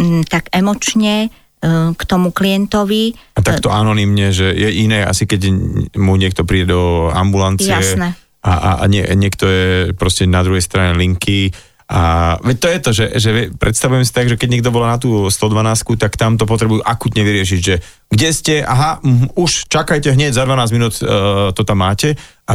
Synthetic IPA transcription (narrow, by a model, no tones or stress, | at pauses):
t̪aɡɛmɔt͡ʃɲɛ | kt̪ɔmukliɛnt̪ɔʋiat̪akt̪ɔʔanɔnimɲɛʒɛjɛʔinɛːa̰sikɛɟmuɲɪɛk̚t̪ɔpɾiːɟɛd̪ɔa̰mbulant͡sjiaɛsnɛ | aʔa̰ɲɪɛ̰ɲɪɛkt̪ɔjɛpɾɔscɛnad̪ɾuɦɛjst̪ɾaɲɛliŋki | ʔaʋɛc̚t̪ɔjɛt̪ɔʒɛʒɛʋɛpɾʔɛt̪st̪aʋujɛmsi̥t̪aɡʒɛkɛɟɲɛɡ̚d̪ɔbɔlanat̪̬uːst̪ɔd̪ʋanaːskut̪akt̪amt̪ɔp̬ɔt̪ɾɛbujuʔakuːt̪ɲɛʋiɾɪɛʃ̬iɟʒɛ | ɡɟɛscɛʔa̰ɦauʃt͡ʃakajcɛɦɲɛɟzad̪ʋanaːzɟminuːt̪t̪ɔt̪amːaːcɛʔa